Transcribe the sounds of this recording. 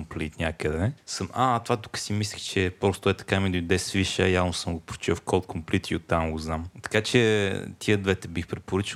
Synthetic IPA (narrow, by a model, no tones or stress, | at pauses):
mplit̪nʲakəd̪ɛsəmʔat̪ovat̪u̥kə̥simislʲixt͡ʃɛpɾɔst̪oɛt̪ɐ̥kamid̪oid̪ɛsviʃəjavnosɤmɡopɾo̥t͡ʃifkɔlˠt̪̚kʰomplit̪iot̪ːamɡoznamt̪ɐ̥kat͡ʃɛt̪ʰiəd̪vɛt̪ɛbixpɾɛt̪̚poɾɤt͡ʃi